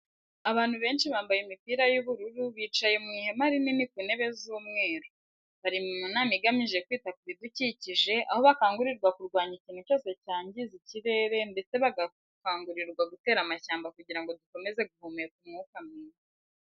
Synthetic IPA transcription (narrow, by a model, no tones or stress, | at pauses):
aβaːn̥huβe̞ːnʃiβaːmbajimipiːɾajuβuɾuɾuβiːt͡ʃajemŋiːhe̞maɾininikune̞βe̞zuːmŋe̞ːɾo | βaɾimumunaːmiɡamiʒe̞kwiːtakuβiduciciʒe̞ʔa̰ho̞βakaːŋɡuɾiɾɡwakuɾɡwaːɲiciːnhuco̞ːse̞caːɲɟiziciɾe̞ːɾe̞nde̞t͡se̞βaɡa | kaːŋɡuɾiɾɡwaɡute̞ːɾamaçaːmbakuɟiɾaŋɡo̞duko̞meze̞ɡuhumejek̚umŋuːkamŋiːza